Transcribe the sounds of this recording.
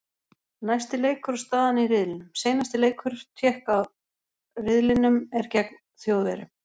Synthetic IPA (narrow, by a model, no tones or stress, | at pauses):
najst̪ɪleːjkʰʏɾ̥st̪aːðaniɾɪðlɪnʏmseːjnast̪ɪleːjkʰʏɾ̥t̪ʰjɛːhkaw | rɪðlɪnʏmɛɾcɛkn | θjoːwðɛɾɪ̰